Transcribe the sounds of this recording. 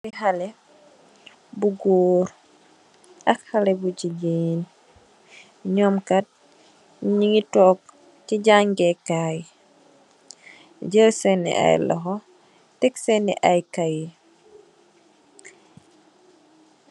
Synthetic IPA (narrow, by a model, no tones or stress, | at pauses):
biɦale | buɡoːɾ | akxalebuɟiɟin | ɲɔmkat̚ | ɲiŋitɔːk̚ | ciɟaŋɡekaj | ɟəsenḭʔa̰jlɔ̰ɦɔ | tɛksenḭʔajkaji